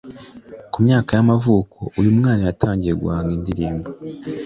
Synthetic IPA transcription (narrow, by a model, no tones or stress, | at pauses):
kumɲaːkajamavuːko̞ʔujumŋaːnajatʰaːɲɟije̞ɡuaːŋɡindiɾiːmbo